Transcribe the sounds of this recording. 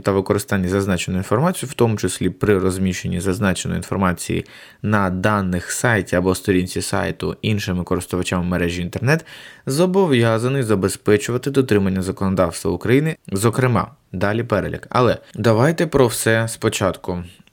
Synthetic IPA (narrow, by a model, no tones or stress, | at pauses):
t̪ɐʋɪkɔɾɪst̪ɑnʲːizɐznɑt͡ʃenʊinfɔɾmɑt͡sʲijʊwt̪ɔmʊt͡ʃesʲlʲipɾɪrɔzʲmʲiʃenʲːizɐznɑt͡ʃnɔ̰j̰ḭnfɔrmɑt͡sʲḭjḭ | nɐd̪ɑnːɪxsɑjtʲiɐbɔst̪ɔɾʲinʲt͡sʲisɑ̰jt̪ʊ̰inʃɪmɪkɔɾɪst̪ʊʋɐt͡ʃamːeɾɛʒʲiint̪ernɛt̪zɔbɔʋjɑzɐnɔjzɐbespɛt͡ʃʊʋɐt̪ɪd̪ɔt̪ɾɪmɐnʲːɐzɐkɔnɔd̪ɑwst̪ʋɐ̰ʊkɾɐjinɪzɔkɾɪmɑ̰ | d̪ɑlʲipɛɾelʲḭkɐ̰lˠɛd̪ɐʋɑjt̪ɛpɾɔwsɛspɔt͡ʃɑt̪kʊ